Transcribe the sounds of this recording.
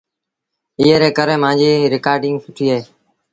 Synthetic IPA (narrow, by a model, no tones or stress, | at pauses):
ɪːeːɾeːkəɾeːmãːnd͡ʒiːɾɪkaːɾɖɪ̃ŋɡsʊʈʰiːaːɦeː